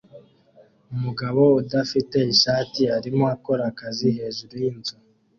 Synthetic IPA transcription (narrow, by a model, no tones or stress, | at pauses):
umuɡaβo̞udafite̞iʃaːtiaɾimoako̞ɾakaziɦe̞ːʒuɾujinzo